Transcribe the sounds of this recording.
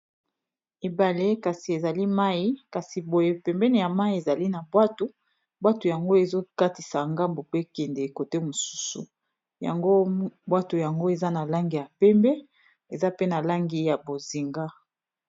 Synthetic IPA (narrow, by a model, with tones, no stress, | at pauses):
e˨ba˨le˦ka˨si˨e˨za˨li˦ma˦i˦ka˨si˨bo˨je˦pɛ˨mbɛ˦ne˨ja˨ma˦i˨e˨za˨li˦na˨bwa˦to˦ | bwa˦tu˨ja˨ŋɡo˦e˨zo˦ka˦ti˨sa˨ŋɡa˦mbo˨pe˦kɛ˨ndɛ˨e˨ko˨te˦mo˨su̥˦sṵ˨ | ja̰˨ŋɡo˦bwa˦to˨ja˨ŋɡo˦e˨za˦na˨la˦ŋɡi˨ja˨pɛ˦mbɛ˦ | e˨za˦pe˦na˨la˦ŋɡi˦ja˨bo˨zi˨ŋɡa˦